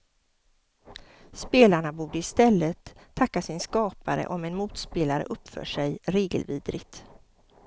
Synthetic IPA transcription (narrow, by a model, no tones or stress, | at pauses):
speːlaɳabuːɖəɪst̪ɛlːət̪ʰːakːasɪnskɑːpaɾə̰ʔɔmɛnmuːt̪speːlaɾə̰ʔɵpːfœ̰ːʂɛjɾeːɡə̰lviːd̪ɾɪɡt̪